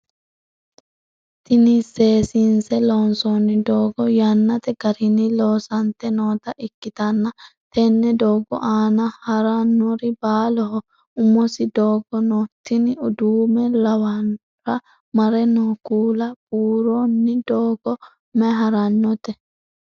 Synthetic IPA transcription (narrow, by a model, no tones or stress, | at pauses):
t̪ɪniseːsinsɛloːnsonːɪd̪oːɡɔjɐnːɐt̪ɛɡɐɾɪnɪloːsɐnt̪ːɛnoːt̪ɐʔɪkːɪt̪ɐnːɐt̪ɛnːɛd̪oːɡɔ̰ʔaːnɐhɐɾɐnːɔɾɪbaːlɔɦɔ | ʊmːɔsɪd̪oːɡɔnoːt̪ːɪnɪʊd̪uːmɛlɐwɐn | ɾɐ | mɐɾɛnɔkuːlɐb̥uːɾonːɪd̪oːɡɔ | mɛɦɐɾɐnːɔt̪ɛ